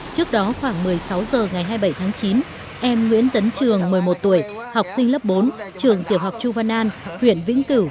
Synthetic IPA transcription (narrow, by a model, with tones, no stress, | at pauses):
t͡ɕɨ˦˥ək̚ɗɔ˨˦xwaː˧˩ŋmɨ˨˩əjsa˨˦wzəː˨˩ŋa˨˩jɦaː˧jɓə˧˩jt̪ʰaː˨˦ŋt͡ɕi˨˦n | ʔɛ˧mŋwḭ˧˥ənt̪ə˨˦nt͡ɕɨ˨˩əŋmɨ˨˩əjmo˨˩t̚t̪u˧˩əjha˨˩wk͡p̚sï˧ŋlə˦˥p̚ɓo˨˦nt͡ɕɨ˨˩əŋt̪i˨˩əp̚ha˨˩wk͡p̚t͡ɕu˧vaː˧nʔaː˧nhwḭ˧˨ənvḭ˧˥əŋkɨ˧˩w